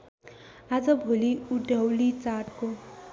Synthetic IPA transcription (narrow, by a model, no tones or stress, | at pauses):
ad͡zʌbʱoliuɖʱʌwlit͡saʈko